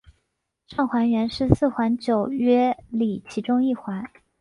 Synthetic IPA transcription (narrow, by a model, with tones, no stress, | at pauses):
ʈ͡ʂɑ˥˩ŋxwa˧˥nɥɛ˧˥nʂɻ̩˥˧sɹ̩˥˩xwa˧˥nt͡ɕjo˨˩ʊɥɛ˥li˨˩t͡ɕʰi˧˥ʈ͡ʂʊ˥ŋi˥˩xwa˧˥n